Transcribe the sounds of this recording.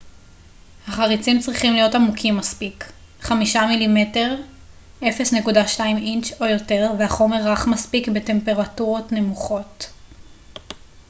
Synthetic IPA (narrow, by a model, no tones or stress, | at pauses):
haχaʁit͡simt͡sʁiχimlijo̞tamukʰimːaspik | χamiʃamilime̞te̞ʁ | ʔe̞fe̞snekudaʃtaimint͡ʃo̞jo̞te̞ʁveaχo̞me̞ʁːaχmaspikbete̞mpe̞ʁatuʁo̞tne̞muχo̞t